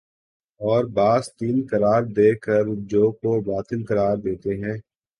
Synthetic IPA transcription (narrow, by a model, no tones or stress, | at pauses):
ɔːɾbaːzt̪iːnkɐɾaːɾd̪eːkəɾʊd͡ʒoːkobaːt̪ənkɐɾaːɾd̪eːt̪eɦɛ̃ː